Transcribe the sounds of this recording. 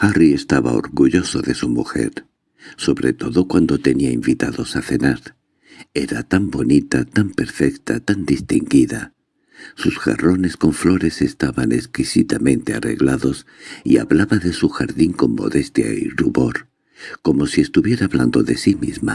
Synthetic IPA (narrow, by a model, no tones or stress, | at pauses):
xarie̞st̪aβa̰o̰ɾɣuʎo̞soðe̞sumuxḛɾ | so̞βɾet̪o̞ðokwand̪ot̪e̞niaimbit̪aðo̞saθenaɾ | eɾat̪ambo̞nit̪at̪ampe̞ɾfekt̪a̰t̪and̪ist̪iŋɡiða̰ | susxa̰ro̞ne̞sko̞ɱflo̞ɾe̞sest̪aβaneskisit̪amẽ̞nt̪ea̰rḛɣlaðo̞s | iaβlaβaðe̞suxaɾðiŋko̞mːo̞̰ðest̪ja̰iruβo̞ɾ | ko̞mo̞siest̪uβje̞ɾaːβland̪o̞ðe̞simizma